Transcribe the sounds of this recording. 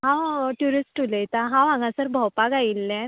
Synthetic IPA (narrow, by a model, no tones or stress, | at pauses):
ɦãʈjuɾisʈuləjt̪aɦãʋãŋɡãsəɾbʱəwpaɡailːɛ̃